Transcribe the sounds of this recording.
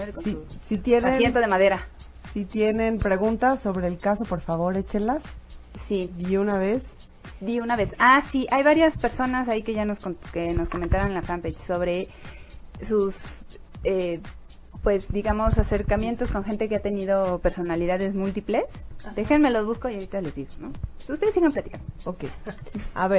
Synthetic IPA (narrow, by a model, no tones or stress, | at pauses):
sisit̪jenesjent̪oðemaðe̞ɾa | sit̪jene̞mpɾe̞ɣunt̪asːo̞βɾeːlkaso̞po̞ɾfaβo̞ɾet͡ʃenlassiiunaβes | d̪iunaβe̞sasiʔajβaɾjaspe̞ɾso̞nasaikeʝano̞skonkeno̞skoment̪aɾonlafampejʃso̞βɾe̞ | sus | e | pwe̞zd̪iɣamo̞sase̞ɾkamje̞nt̪o̞sko̞ŋxe̞nt̪e̞keat̪e̞niðo̞pe̞ɾso̞naliðaðe̞zmult̪iple̞sd̪e̞xenme̞lo̞zβuskoio̞ɾit̪ale̞zðiɣonoust̪e̞ðesiɣemplat̪i̥kanookeja̰βeɾ